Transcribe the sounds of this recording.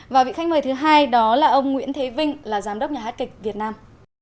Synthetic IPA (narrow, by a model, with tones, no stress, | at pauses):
vaː˨˩wvḭ˧˨xa̟˦˥mɨ˨˩jt̪ɨ˨˦ɦaː˧jɗɔ˨˦laː˨˩ʔə˧wŋ͡mŋwḭ˧˥ənt̪ʰe˨˦vï˧ŋ̟laː˨˩zaː˨˦mɗə˦˥k͡p̚ɲaː˨˩haː˦˥t̚kï˨˩k̟̚vi˨˩ət̚naː˧m